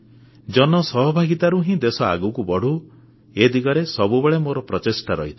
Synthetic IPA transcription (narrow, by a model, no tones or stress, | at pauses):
d͡ʒɔnɔsɔɦɔbʱaɡit̪aɾuɦĩd̪esɔa̰ɡukubɔɽ̤u | ed̪iɡɔɾesɔbubeɭemoɾɔpɾɔt͡ʃesʈaɾɔ̰ɦit̪ʰi̥